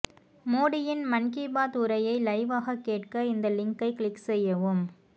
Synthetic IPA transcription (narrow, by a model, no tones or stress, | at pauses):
moːɽɪjɪnmɐnkibaːtʊɾɐjɐɪlɐɪʋaːɣɐkːeːʈkɐɪnd̪ɐlɪŋkɐɪkɭɪkːsɛjːɐʋɯm